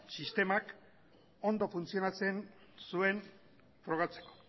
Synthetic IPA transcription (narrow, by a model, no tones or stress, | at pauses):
sist̪e̞mak | o̞nd̪o̞funt͡sio̞nat͡se̞nsue̞n | fɾo̞ɣ̞at͡se̞̥ko̥